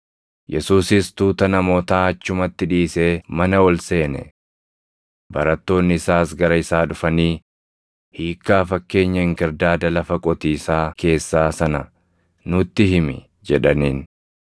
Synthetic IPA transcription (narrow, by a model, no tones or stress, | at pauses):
jʔɛsuːsɪst̪uːt̪ɐnɐmo̞ːt̪aːɐt͡ʃːʊmɐt̪ːɪᶑiːse̞ːmɐnɐwɔlse̞ːnɛ̰ | bɐɾɐt̪ːo̞ːnːɪɪsaːsɡɐɾɐɪsaːᶑʊfɐniː | hiːkːaːfɐkːe̞ːɲːɐɪŋkɪɾd̪aːd̪ɐlɐfɐkʼɔt̪iːsaːkʰe̞ːsːaːsɐnɐ | nʊt̪ːɪɦɪmɪ̰ | d͡ʒɛᶑɐniːn